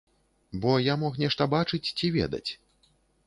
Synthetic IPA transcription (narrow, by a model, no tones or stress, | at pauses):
bɔjamɔxnʲɛʂt̪ɐbat͡ʂɨt͡sʲt͡sʲivʲɛ̰d̪ɐ̰t͡sʲ